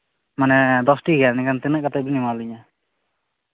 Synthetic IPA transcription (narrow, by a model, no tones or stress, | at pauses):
manɛd̪ɔsʈiɡɛnikant̪ɛnɛʔkat̪abinimaliɲa